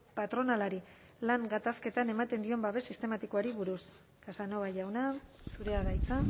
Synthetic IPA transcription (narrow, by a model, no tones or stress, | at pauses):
pat̪ɾo̞nalaɾi | laŋɡat̪aske̞t̪ane̞mat̪e̞nd̪io̞mbaβe̞sist̪e̞mat̪ikoaɾiβuɾus | kasano̞βaʝawnasuɾe̞aðajt͡sa